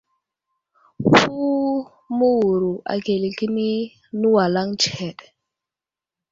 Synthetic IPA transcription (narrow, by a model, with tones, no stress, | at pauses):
fu˦ | mu˦wu˨ɾu˨ʔa̰˨ke˨li˨ki˦ni˦ | nu˦wa˨la˦ŋt͡ʃhɛ˨ɗ̥